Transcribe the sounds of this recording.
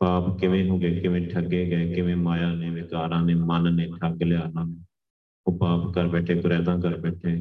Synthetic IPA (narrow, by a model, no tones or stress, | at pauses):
paːpkɪʋẽːɦõːɡeːkɪʋẽːʈʰəɡeːɡəeːkɪʋẽːmaːjãːnẽːʋɪkaːɾãːnẽːmənnẽːʈʰəɡleaːnãː | oːpaːpkəɾbɛːʈʰeːɡʊɾɛːd̪ãːkəɾbɛːʈʰeː